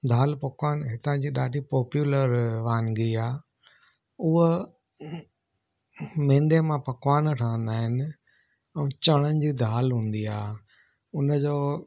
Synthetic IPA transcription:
d̪ʱaːlpɐkwaːnɦɪt̪ãd͡ʑiːɗaːɖʱipɔːpjuːləɾʋaːnɡiaː | ʊɦ | mẽːnd̪emãpɐkaːnʈʰãːə̃nd̪aːɦɪnɪ̆ | ɛ̃ːt͡ɕəɽ̃ənɪ̆d͡ʑiːd̪ʱaːlɦũːn̆d̪iaː | ʊnəd͡ʑoː

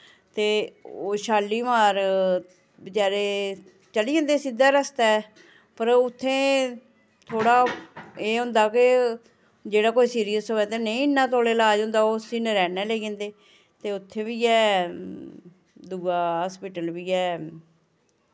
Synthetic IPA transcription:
t̪eːoːʃaːlːiːmaːɾ | bət͡ʃaːɾeː | t͡ʃəliːẽːnd̪eːsid̪aːɾəst̪ɛː | pəɾʊt̪ʰːẽː | t̪ʰoːɽaːeːɦʊ̃ːnd̪aːkɪ | d͡ʒeːɽaːkoːiːsiːɾijəsoːɛ̃ːt̪eːnəĩːnːãːt̪oːleːlaːd͡ʒɦʊ̃nd̪aːoːsiːnɾɛːnɛːleːɡẽːnd̪eː | t̪eːʊt̪ʰːẽːʋiːɛː | d̪uːɡaːɦaːspɪʈəlʋiːɛː

